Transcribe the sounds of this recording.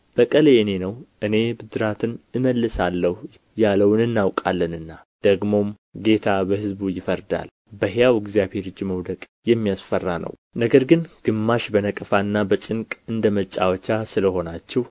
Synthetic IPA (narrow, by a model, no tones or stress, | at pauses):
b̥əkʼəleɨne̞nəwʔɨne̞bɨd̪ɨɾat̪ʰɨnɨməlːɨsalːəhu | jaləwnɨnːawkʼalːənɨnːa | d̪̥əɡmo̞m | ɡe̞t̪ʰabəhɨzbujɪfəɾd̪a̰l | bəɦjawɪɡzijaβhe̞ɾɨd͡ʒːɪməwd̪əkʼ | jɛmːijasfərːanʔə̰w | nəɡəɾɡɨnɡ̥ɨmːaʃbənəkʼəfaɨnːabət͡ʃʼɪŋkʼɨnd̪əmət͡ʃʼːawɔt͡ʃːasɨləho̞nat͡ʃːɛh